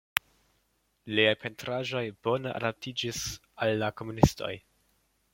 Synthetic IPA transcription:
liajpʰe̞ntɾaʒo̞jbo̞nəʔa̰dap̚tʰid͡ʒis | alːako̞munisto̞̰j

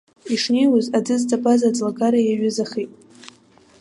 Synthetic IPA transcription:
iʂnejwʊzad͡zɨzdʼapʼazad͡zʼlaɡaɾajaɥʊzaχijtʼ

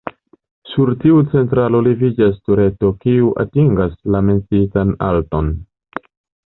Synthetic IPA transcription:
suɾtiut͡se̞nt̬ɾalo̞livid͡ʒas̬tuɾe̞to̞kiuʔa̰tiŋɡaslame̞nt͡sitana̰lto̞n

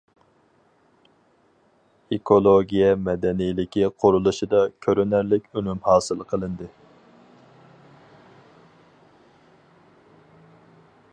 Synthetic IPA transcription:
ekʰolˠoɡʲijɛmɛd̪ɛnijlɪkʲiqʰʊɾulˠuʃɨd̪ɑkʲʰøɾynæɾlɪkʲynymhɑːsɨlˠqʰəlˠɨnd̪ɨ

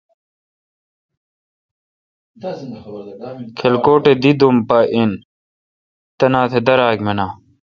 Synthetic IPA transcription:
kʰelkoːʈed̪id̪umpaʔin | t̪ɐnaːt̪ʰed̪ɐɾaːkmenaː

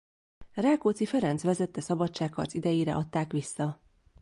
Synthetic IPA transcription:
rɛkoːt̪sifɛɾɛnsʋɛzɛt̪ːɛsɒbɒt͡ʃt͡ʃːaːkkːɒrt̪zid̪ɛjiːɾɛ̰ʔɒt̪ːaːkʋisːɒ

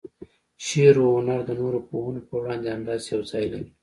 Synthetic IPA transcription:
ʃeɾoʊnaɾd̪ənoɾopoɦunopəwɽɑ̃nd̪eanɖɑːzjawzɑjlaɾi

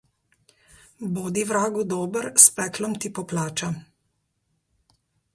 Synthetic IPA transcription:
boːd̪iʋɾaːɡud̪oːbəɾspɛklɔmt̪ipɔplaːt͡ʃa

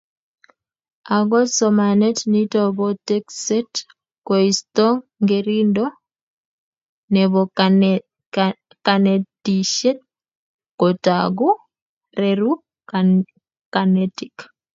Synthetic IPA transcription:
aɡɔsɔmanɛtnitɔβɔtɛksɛt | kɔistɔŋŋɡeɾindɔ | nɛβɔ | kanetiʃɛt̚ | kɔtaɡu | ɾɛɾu | kanɛtik

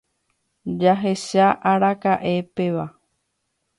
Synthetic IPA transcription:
d͡ʒaɦe̞ʃaʔaɾakaʔe̞peʋa

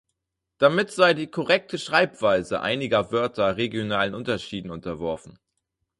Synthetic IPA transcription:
d̥amɪtz̥aɪdiːkʰɔʁɛk̚tʰəʃʁ̥aɪpv̥aɪzəʔa̰ɪnɪɡɐvœɐtʰɐʁeɡjonaːlənʔʊntɐʃiːdn̩ʊntɐvɔɐfn̩

